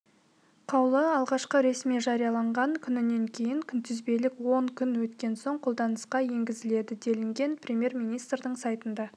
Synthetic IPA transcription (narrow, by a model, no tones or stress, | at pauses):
qʰɑwlˠəɑlˠʁɑʃqəɾe̞smiʒɑɾijɑlˠɑɴʁɑŋkʲʰʏnɪne̞ŋkʲʰe̞jɪŋkʲʰʏnt̪ʰʏzbe̞lɪkwo̞ŋkʲʰʏnwɵt̪kʲe̞nso̞ɴqʰolˠd̪ɑnəsqɑje̞ŋɡʲɪzɪle̞d̪ɪd̪e̞lɪŋɡʲe̞nprʲemʲje̞ɾmijnijst̪rd̪əɴsɑjt̪ənd̪ɑ